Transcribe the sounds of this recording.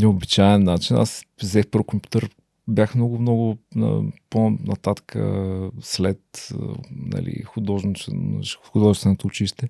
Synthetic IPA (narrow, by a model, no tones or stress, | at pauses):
nɛʊbit͡ʃaɛnːat͡ʃina̰szɛfpəɾfkompʲju̥t̪əɾ | bjaxmnɔɡʊmnɔɡʊnə̰ponɐt̪at̪kʰə̰slɛt̪ | nɐ̰lḭxʊd̪ɔʒ | xʊd̪ɔʒɛst̪vɛnot̪oʊt͡ʃiʃt̪ɛ